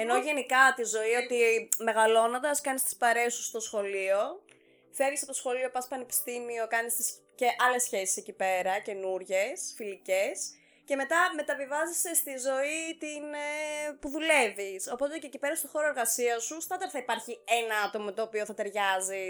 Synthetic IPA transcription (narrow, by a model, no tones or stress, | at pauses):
eno̞ʝe̞nikɐt̪izo̞io̞t̪ime̞ɣɐlo̞nond̪ɐskɐnist̪ispɐɾe̞sust̪o̞sxo̞lio̞ | feɾʝisɐpot̪osxo̞lio̞pɐspɐnepi̥st̪imio̞kɐnist̪is | ce̞ʔɐle̞sçe̞si̥se̞cipe̞ɾɐce̞nuɾʝe̞sfilice̞s | ce̞me̞t̪ɐme̞t̪ɐvivɐzisest̪izo̞it̪inpuðule̞viso̞po̞t̪e̞ceːcipe̞ɾɐst̪oxo̞ɾoe̞ɾɣɐsiɐsust̪ɐt̪ɐɾθɐipɐɾçie̞nɐɐt̪o̞mɐmet̪oːpio̞θɐt̪e̞ɾʝɐzi